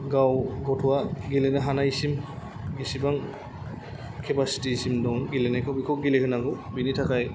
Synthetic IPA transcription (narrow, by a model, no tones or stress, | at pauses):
ɡawɡɔtʰuwaɡilɛnɛɦanaisim | ɡisibaŋ | kʰɛbastiisimdɔŋɡilɛnɛkʰɔbikʰɔkɡilɛɦɯnaɡɔbinitʰakaj